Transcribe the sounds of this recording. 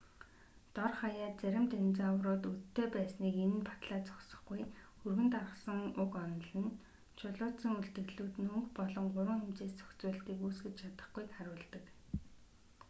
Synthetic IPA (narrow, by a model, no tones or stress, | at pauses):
t̪ɔrχajaːt̪̚t͡sæɾʲɪ̆mt̪ent͡sawrʊːt̪ut̪ʰːeːpæːsniːkenɘ̆npḁt̪ɮaːt͡sɔ̥ksɞ̥̆χɡuj | ɵrɣɘ̆nt̪arʁə̆sə̆ŋʊkɔnɞ̆ɮɘ̆n | t͡ɕʰʊɮʊːt͡sə̆ŋuɬt̪ɘ̆ɣɮuːt̪nɵŋkpɔɮɞ̆ŋɢʊɾwə̆ŋxemt͡seːst͡sʰœ̥xt͡sʊːɮt̪iːkuːsɡɘ̆t͡ɕt͡ɕʰat̪ə̆χɡujkχaɾʊːɮt̪ə̆k